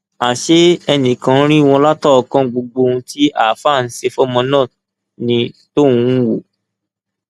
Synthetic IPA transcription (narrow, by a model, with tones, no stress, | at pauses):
a˨ʃe˦ɛ˧nĩ˨kã˨˧˦ɾ̃ĩ˦˧w̃ɔ̃˧la˦tɔ˦˨ɔ˨kã˦ɡ͡bo˧ɡ͡bo˧ũ˧˦tʰi˦a˦˨fa˦˨n̩˦se˧fɔ˦mɔ̃˧nã˦˨ | nĩ˧to˦˨ũ˧˦wo˨